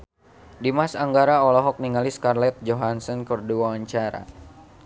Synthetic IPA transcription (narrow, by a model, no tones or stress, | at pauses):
dimasaŋɡaɾaɔlɔɦɔk̚niŋaliskarlɛt̪̚d͡ʒoɦansɔnkərduwawaɲt͡ʃaɾa̰